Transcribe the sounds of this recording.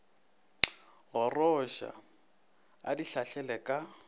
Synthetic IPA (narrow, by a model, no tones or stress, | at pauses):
ɣɔrɔʃa̰ | a̰diɬaɬɛlɛkʼa